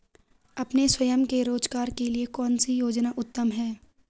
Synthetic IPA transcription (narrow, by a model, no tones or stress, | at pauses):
ɐpneswɐjəmkeɾoːd͡ʒɡaːɾkeliekɔːnsijoːd͡ʒnaʔʊt̪ːəmɦɛː